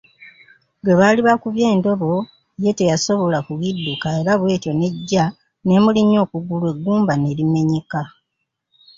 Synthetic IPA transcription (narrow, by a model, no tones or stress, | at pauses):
ɡweβaːliβakuβje̞ːndo̞βo̞ | je̞tejaso̞βo̞lakuɣidːukae̞ɾaβwe̞ːto̞ne̞ɟːa | ne̞muliɲːo̞ːkuɡulwe̞ɡːuːmbanelime̞ɲika